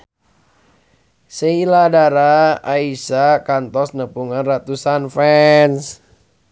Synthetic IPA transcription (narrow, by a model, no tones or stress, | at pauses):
səiladaɾaːisakant̪ɔsnəpuŋanrat̪usanfɛns